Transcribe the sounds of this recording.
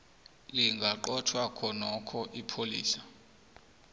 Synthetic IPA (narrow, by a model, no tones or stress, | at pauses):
liŋɡʱaǃɔtʰwakʰɔnɔkʰɔʔipʰolḭːsḁ